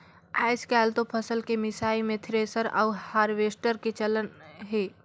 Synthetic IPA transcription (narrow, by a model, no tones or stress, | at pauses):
a̰ːɪskaːlt̪opʰəsəlkemɪsaːimẽt̪ʰɾeːsəɾa̰ʊhaːɾʋeːsʈəɾket͡ʃələnɦeː